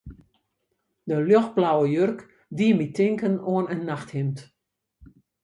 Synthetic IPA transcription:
dəljɔx̚blawəjørk | diəmitɪŋkənoənənːaxthɪmt

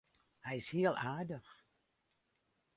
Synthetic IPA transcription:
hɛjɪshiəlˠʔaːdəx

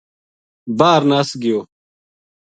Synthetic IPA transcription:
baːɾnaːsɡɪjoː

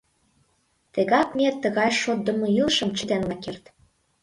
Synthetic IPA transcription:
t̪eɣɑk̚met̪ːə̆ɣɑjʃot̪̚d̪ə̆mɤ̆ilʃɤ̆mt͡ɕə̆t̪enlɑkert̪

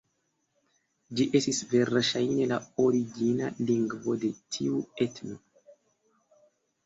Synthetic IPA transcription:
d͡ʒiʔe̞stisve̞ɾʃajne̞lao̞ɾiɡina̰liŋɡvo̞de̞tʰiue̞tno

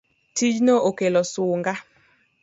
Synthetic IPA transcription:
tid͡ʒnookelɔsuŋɡa

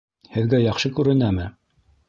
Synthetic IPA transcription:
hɘ̆ðɡæjɑχʃɤkʉɾɘ̆næmɘ

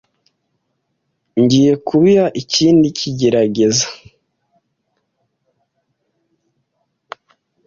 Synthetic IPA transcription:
ɲɟiːje̞kuβijaʔiciːndicʰiɟe̞ɾaɟe̞zḁ

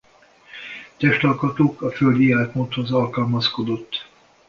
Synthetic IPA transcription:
t̪ɛʃt̪ɒlkɒt̪oːkɒføld̪iaːlt̪mont̪ho̞zɒlkɒlmɒsko̞d̪o̞t̪ː

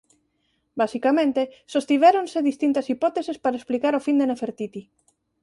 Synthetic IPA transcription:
basikamẽnt̪esost̪iβ̞ɛɾonseðist̪int̪asipɔt̪esespaɾaesplikaɾofind̪enefeɾt̪it̪i

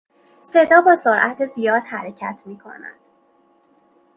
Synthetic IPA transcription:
se̞d̪ɒːbɒːsoɾʔæt̪ʰezijɒːd̪̥hæɾecʰæt̪ʰmiːkʰo̞̰næ̰d̪̥

